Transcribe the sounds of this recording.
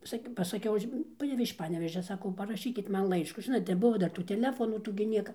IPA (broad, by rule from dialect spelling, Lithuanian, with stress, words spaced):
ˈsɐkʲ pɐsɐˈkʲɛʊ ˈɐʃ ˈpɑːnʲɛʋʲeːʃ ɪʃ ˈpɑːnʲɛʋʲeːʒʲɛ ˈsɑːkɐʊ pɐrɐˈʃʲiːkʲɪt ˈmɐn ˈlˠɐɪʃkuː ˈʒʲɪnoːt nʲɛˈbʊʋoː ˈdɐr tuː tʲɛˈlʲæːfoːnuː ˈtuː ɡʲɪ ˈnʲiɛkɐ